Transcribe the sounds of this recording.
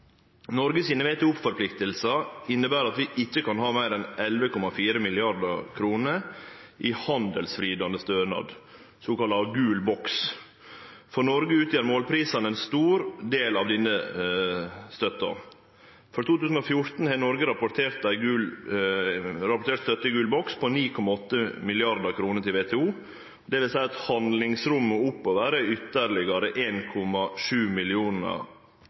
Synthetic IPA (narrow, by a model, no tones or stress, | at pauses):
nɔɾɡəsiːnəʋeːt̪əʊpfɔɾpʰlɪkt̪əlsɑɪnːəbæːɾɑt̪ʋɪʔɪçːəkʰɑnhɑːmæɪɾɛnɛlʋəkʰɔmɑfiːɾəmɪlɪɑɾd̪əkʰɾuːnəɾʔihɑnd̪əlsfɾiːd̪ɑnd̪əst̪øːnɑ̰ːd̪ | soːkɑlɑɡʉːlbɔks | fɔɳɔɾɡəʉːt̪jæːɾmoːlpʰɾiːsɑnəɛnst̪uːɾd̪eːlɑʋd̪ɪnə | st̪œt̪ːɑ̰ | fɔɾt̪ʰuːt̪ʉːsn̩ɔfjʊɾt̪n̩hɛːnɔɾɡəɾɑpʊt̪ʰeːɾt̪æɪɡʉ | ɾɑpʊʈ̪ʰeːʈ̪st̪œt̪ːəɡʉːlbɔkspʰɔniːkʰɔmɑɔt̪ːəmɪlɪɑɾd̪ɑkʰɾuːnət̪ɪlʋeːt̪ʰɛːuː | d̪ɛʋɪlsæɪɑt̪hɑnd̪lɪŋsɾʉmːəʊpːɔʋæːɾəʏt̪ːəɾlɪɡɑɾəʔeːnkʰɔmɑʂʉːmɪlɪuːnə̰